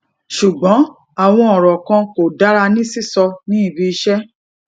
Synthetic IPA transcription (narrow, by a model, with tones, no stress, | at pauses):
ʃu˨ɡ͡bɔ̃˨˦ | a˦˨w̃ɔ̃˧ɔ˨ɾɔ˨kã˧ko˨da˨˦ɾa˧nĩ˦si˦˨sɔ˧nĩ˦i˦˨bi˧i˧ʃɛ˦